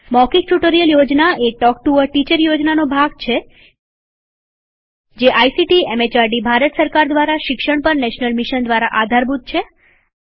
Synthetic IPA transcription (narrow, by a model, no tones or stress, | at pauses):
mɔkik̚ʈuʈoɾijəljod͡ʒnaeʈɔk̚ʈuəɾʈit͡ʃəɾjod͡ʒnanobʱaɡ̚t͡ʃʰe | d͡ʒeʔajsiʈiemet͡ʃaɾɖibʱaɾət̪səɾkaɾd̪ʋaɾaʃɪkʃəɳpəɾnɛʃnəlmiʃənd̪ʋaɾaʔad̪ʱaɾbʱut̪̚t͡ʃʰe